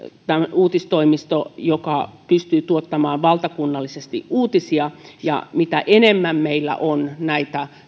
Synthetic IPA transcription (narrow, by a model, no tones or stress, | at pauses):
t̪æmuːt̪ist̪oimist̪ojokɑpyst̪yːt̪uot̪ːɑmɑːʋʋɑlt̪ɑkunːɑlːisest̪ḭʔuːt̪isiɑjɑ̰mit̪æʔenemːæmmeilːæ̰ʔonnæit̪æ